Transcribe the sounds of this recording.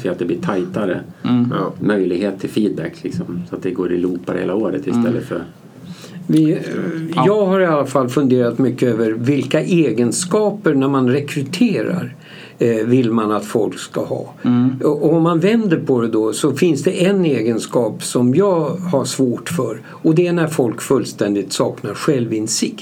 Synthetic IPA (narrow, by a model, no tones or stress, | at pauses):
fɛat̪̚d̪ɛbliːʈʰajt̪aɾə̰ | mœjlɪɡheːt̪ʰːɪlfiːd̪̚bɛkːlɪksɔmsɔat̪̚d̪ɛɡoːɾɪ̰luːpaɾhḛːlaoːɾə̰t̪ɪst̪ɛlːə̰t̪fœ̰ɾ | vɪ | jɑːɡɦaɾɪalːafalːfɵnd̪eːɾat̪mʏkːəøːvəɾvɪlkaʔeːɡənskɑːpəɾɳæɾmanɾɛkʰɾɵt̪ʰeːɾa̰ɾ | vɪlːmanat̪fɔlkskahɑ̰ːʔɔɔmːanvɛnd̪əɾpʰɔd̪ɛd̪ɔsɔfɪnsd̪ɛʔɛneːɡənskɑːpsɔmjɑːɡhaʂvoːʈfœɾ | ɔd̪ɛæɳæɾfɔlkfɵlːst̪ɛnd̪ɪt̪sɑːknaɾɧɛlvɪnsɪkt̪